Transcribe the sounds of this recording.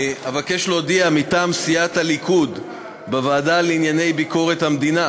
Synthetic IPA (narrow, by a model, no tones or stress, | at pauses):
avakeʃlo̞d̪iamit̪aːmsiat̪halikʰud̪ | bavaːdaleinjane̞jbiko̞ʁe̞t̪hamd̪ina